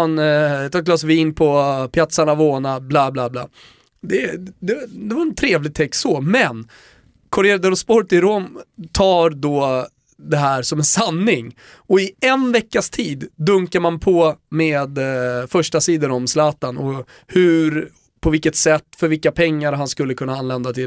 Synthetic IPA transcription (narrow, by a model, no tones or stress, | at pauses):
nt̪ʰɑːklɑːsviːnpʰɔpʰlat̪saɳavoːnablaːblaːbla̰ː | d̪ɛd̪ɛd̪ɛvaɾɛnt̪ʰɾeːvlɪɡ̚t̪ʰɛksɔmɛn | kʰɔɾɛːɾd̪əɾɔspɔɾt̪ɪɾɔmt̪ʰɑːɾd̪ɔ | d̪ɛɦæːɾsɔmɛnsanːɪŋ | ɔɪɛnvɛkːast̪ʰiːd̪ːɵŋkaɾmanpʰɔmeːd̪fœʂʈasiːd̪əɾɔmslɑːt̪anɔ | hʉɾ | pʰɔvɪlkːət̪sɛt̪ːfœɾvɪlkːapʰɛŋːaɾɦanskɵlːəkʰɵnːaanlɛnd̪at̪ʰɪl